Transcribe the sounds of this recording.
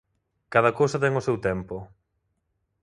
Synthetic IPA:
kaðɐkowsɐt̪ɛŋʊsewt̪ɛmpo

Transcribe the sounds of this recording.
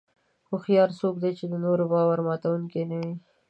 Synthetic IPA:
xʊxjɑɾsokd̪et͡ʃed̪ənoɾobɑwaɾmɑt̪awuŋkenawi

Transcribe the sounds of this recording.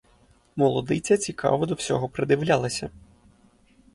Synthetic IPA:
mɔlˠɔd̪ɪt͡sʲɐt͡sʲikʰɑ̰ʋɔd̪ɔwsʲɔ̰ɦɔpɾɪd̪ɪʋlʲalˠɐsʲɐ

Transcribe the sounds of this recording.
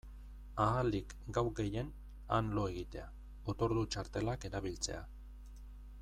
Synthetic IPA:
aːlik | ɡawɡe̞je̞n | a̰nlo̞e̞ɣit̪e̞a | ot̪o̞ɾðut͡ʃaɾt̪e̞lake̞ɾaβ̞ilt͡se̞̰a̰

